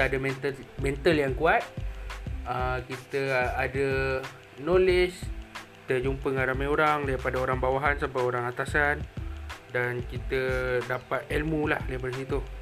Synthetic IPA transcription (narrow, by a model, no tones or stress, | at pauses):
adamɛnt̪əmɛnt̪aljaŋkuat̪̚ | əkit̪əadə | noleskit̪əd͡ʒumpəŋaɾamaoɾaŋlapadaoɾaŋbawaɦansabapoɾaŋat̪asandankit̪ədapat̪̚ɛlmulahlebəlsit̪u